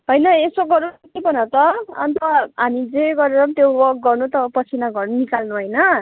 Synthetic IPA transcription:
ɦʌjnʌesoɡʌɾut̪ibʌnʌt̪ʌʌ̰nt̪ʌɦamid͡zeɡʌɾeɾʌmt̪joʌk̚ɡʌrnut̪ʌpʌt͡sʰinaɡʌrnunikalnuɦʌjnʌ

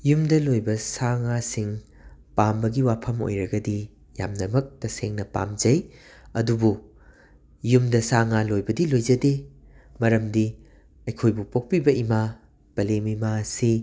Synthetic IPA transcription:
jumdɐlojbɐsaŋasiŋ | pambɐɡiwapʰɐmo̰jɾɐɡɐdi | ja̰mnɐmɐk̚tɐseŋnɐpa̰md͡ʒɐjɐdubu | jumdɐsaŋalojbɐdilojzɐde | mɐɾɐmdi | ɐjkʰojbupok̚pibɐima | b̥ɐlemimasi

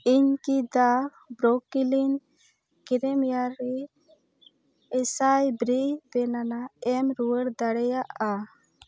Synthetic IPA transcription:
iɲkid̪a | bɾokilin | kiɾɛmjaɾɛ | ɛsajbɾibɛnanaɛmɾuwəɽd̪aɽɛjaʔa

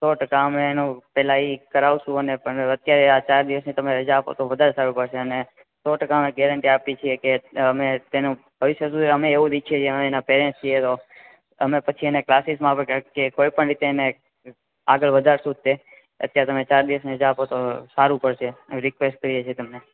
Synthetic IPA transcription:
soʈəkaəmeːnõpɛlaikəɾaʋuʃũənepəɳət̪jaɾeat͡ʃaɾd̪iʋəsnit̪əmeɾəd͡ʒaːpo̰t̪oʋəd̪ʱaɾesaɾũpəɽʃeəne | soʈəkaəmeɡɛɾəɳʈiapit͡ʃʰiekeəmet̪enũ | bʱəʋiʃjəsud̪ʱiəmeːʋũd̪ikʰiet͡ʃʰeəmeenapeɾẽnst͡ʃʰiet̪o | əmepət͡ʃʰieneklasismãpəɳakekoipəɳɾit̪eːne | aɡəɭʋəd̪ʱaɾsud̪̚t̪e | ə̰t̪jaɾet̪əmet͡ʃaɾd̪iʋəsneəd͡ʒaːpot̪osaɾũpəɽʃeɾɪkʋesʈ̚kəɾijet͡ʃʰiet̪əmne

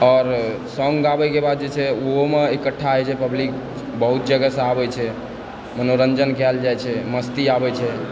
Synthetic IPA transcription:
ɔːɾ | sɔŋɡabɛkebad̪̚d͡ʒet͡ʃʰɛoɦomeekəʈʰːaɦɛt͡ʃʰɛpəblik̚ | bəɦut̪̚d͡ʒəɡəsə̃abɛt͡ʃʰɛ | mənoɾənd͡ʒənkɛld͡ʒajt͡ʃʰɛməst̪iabɛt͡ʃʰɛ

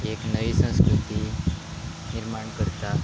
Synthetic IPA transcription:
eknəʋisə̃skɾut̪i | niɾmaɳkəɾt̪a

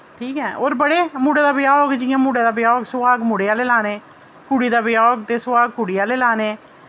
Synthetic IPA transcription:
ʈʰiːkɦɛːʔoːɾbəɽeːmuːɽeːd̪aːbɪjaːɡd͡ʒɪːãːmuːɽeːd̪aːbɪjaːɡsʊaːɡmuɽeaːleːlaːneː | kuɽiːd̪aːbɪjaːɡt̪eːsʊʋaːɡ̚kʊɽiːaːleːlaːneː

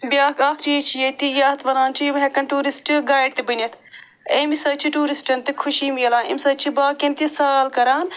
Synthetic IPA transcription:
bʲaːkaːkʰt͡ʃijet͡ʃʰijet̪ijaːt̪ʋɐnaːnt͡ʃʰimɦekɐnʈuːɾisʈɨɡaːjɖ̚t̪ibɨnʲɐt̪ʰ | emisɐt͡ʃʰiʈuːɾisʈɐnt̪ikʰuʃiːmijɐlaːnḭmisɐt͡ʃʰibaːkent̪isaːlkɐɾaːn

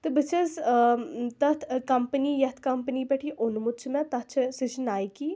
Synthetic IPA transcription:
t̪ɨbɨt͡ʃʰɐz | t̪ɐt̪ʰkɐmpənijɐt̪ʰkɐmpənipɛʈʰiʔonmʊt̪̚t͡ʃʰmɛ̃t̪ɐt͡ʃʰɐsɨt͡ʃnaːjkiː

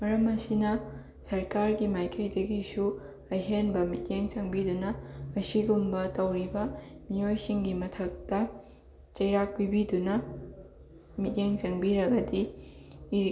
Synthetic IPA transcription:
mɐɾɐmɐsinɐ | sɐɾkaɾɡimajkʰɐjdɐɡisu | ɐjɦenbɐmit̚jeŋt͡ʃɐŋbidunɐːsiɡumbɐtɐwɾibɐmijojsiŋɡimɐtʰɐk̚tɐ | t͡ʃɐjɾak̚pibidunɐ | mit̚jeŋt͡ʃɐŋbiɾɐɡɐdiː

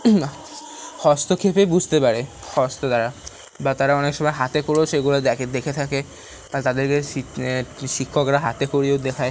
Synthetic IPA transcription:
hɔst̪okʰepebud͡ʑʱt̪epaɾe | hɔst̪od̪aɾa | bat̪aɾaɔnekʃɔmɔeɦat̪ekoɾoʃeɡulod̪ɛed̪ekʰet̪ʰake | alt̪ad̪eɾke | ʃikʰːokɾaɦat̪ekoɾiod̪ekʰae

